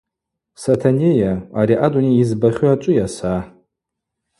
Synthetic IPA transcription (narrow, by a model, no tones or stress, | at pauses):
satʰanejaaɾiʔadʼuniːzbaχʲuat͡ʃʷʼʊjasa